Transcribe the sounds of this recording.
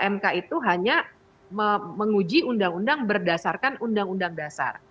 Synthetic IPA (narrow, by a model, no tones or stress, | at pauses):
ʔɛmkait̪uɦaɲa | məməŋud͡ʒiundaŋundaŋbərdasarkanundaŋundaŋdasa̰r